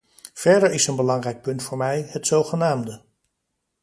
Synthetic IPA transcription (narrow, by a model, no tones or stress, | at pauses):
v̥ɛɹdəɹɪsənbəlɑŋrɛjk̚pɵntfʊːɹmɛjɦətsowχənaːmdə